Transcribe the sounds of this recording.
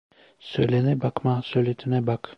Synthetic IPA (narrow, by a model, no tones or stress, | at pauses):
søjlʲenɛbakmasøjlʲet̪ʰinɛbak